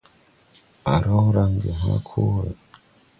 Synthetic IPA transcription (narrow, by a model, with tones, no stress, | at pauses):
a˨ɾo˦ɾa˨ŋɡe˨na˦kʰu˦ɾa